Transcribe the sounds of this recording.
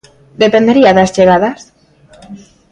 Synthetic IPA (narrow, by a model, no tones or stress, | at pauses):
d̪epend̪eɾiaðazʎeɣaðas